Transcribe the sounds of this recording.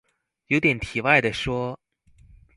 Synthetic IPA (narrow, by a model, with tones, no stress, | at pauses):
jo˧˥ʊt̪jɛ˨˩nt̪ʰi˨˩wa˥˩ɪd̪ə˩ʂwɔ˥